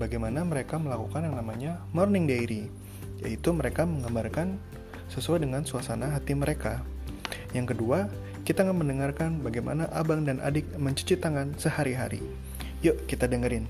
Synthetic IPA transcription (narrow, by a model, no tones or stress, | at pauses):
baɡajmanaməɾekaməlakukanjaŋnamaɲamɔrnɪŋdejɾi | ja̰it̪uməɾekaməŋɡambarkan | səsuajdəŋansuasanaɦat̪iməɾʔeka | jaŋkədua | kit̪aŋanməndəŋarkanbaɡajmʔa̰naʔabaŋdanʔa̰dɪk̚məɲt͡ʃə̥t͡ʃit̪ːaŋansəhaɾiɦa̰ɾḭ | joʔkit̪adəŋəɾɪn